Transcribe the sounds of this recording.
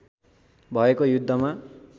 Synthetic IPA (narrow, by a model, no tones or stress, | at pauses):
bʱʌekojud̪ʱːʌma